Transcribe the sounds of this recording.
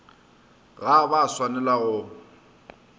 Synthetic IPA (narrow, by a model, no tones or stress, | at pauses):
ɣabaswanɛlaɣʊ